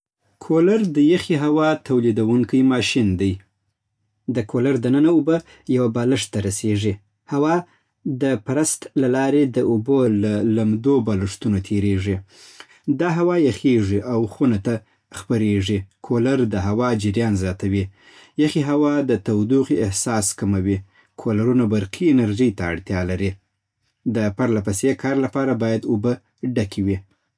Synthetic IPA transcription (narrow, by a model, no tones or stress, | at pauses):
kʰolaɾd̪əjaxiɦawɑt̪ʰawlid̪awuŋkəjmɑʃind̪aj | d̪əkʰolaɾd̪ənənaubə | jawabɑləʂt̪ːaɾaseʐi | hawɑ | d̪əpaɾast̪lalɑɾed̪əubolalamd̪obɑləʂt̪unot̪ʰeɾeʐi | d̪ɑɦawɑjaxeʐiʔawxunat̪a | xpaɾeʐikʰolaɾd̪əɦawɑd͡ʒɪɾjɑnzjɑt̪awi | jaxiɦawɑd̪ət̪awd̪uqiɪhsɑskamawi | kʰolaɾunabaɾqʰiɪnaɾʒəjt̪a̰ːɽt̪jɑlaɾi | d̪əpaɾlapasekʰɑɾlapɑɾabɑjad̪ubə | ɖakʰiwi